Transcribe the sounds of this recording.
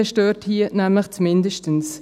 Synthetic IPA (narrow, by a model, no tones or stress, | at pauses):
əʃtøːthiːnɛmləxt͡smɪndəʃtəns